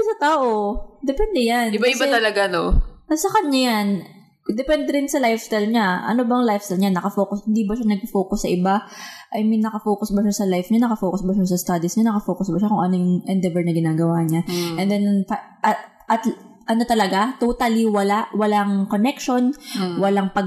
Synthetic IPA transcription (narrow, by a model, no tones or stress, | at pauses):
sɐt̪aːʔo̞d̪ɛpɛnd̪ɛjanbaɪbat̪ɐlɐɡanoɐsɐkɐɲajan | d̪ɛpɛnd̪ɛɾɪnsɐlajfst̪ajlɲaʔɐ̰nobɐŋlajfst̪ajlɲanɐkɐfoːkʊshɪnd̪ibɐʃanɐɡ̚pɐfo̞ːkʊsːɐʔɪbaʔɐjmɐjnɐkɐfoːkʊsbɐʃasɐlajfɲanɐkɐfoːkʊsbɐʃasɐst̪ad̪isɲanɐkɐfoːkʊsbɐʃakʊŋʔɐnojʊŋʔɛnd̪ɛvɛɹnɐɡɪnaːɡɐwaːɲaʔɛnd̪ɛnpa | ʔ | ʔɐt̪ | ʔɐno̞t̪ɐlɐɡat̪ot̪aliwɐlawɐlaŋko̞nɛkʃo̞nwɐlaŋpɐɡ